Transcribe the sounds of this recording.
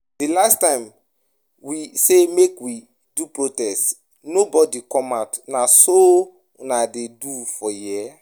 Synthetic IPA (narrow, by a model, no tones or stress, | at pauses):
delastãɪ̃m | wisemekwi | dupɹotɛst | nobɔdikɔ̃matnaso | nadedufɔjia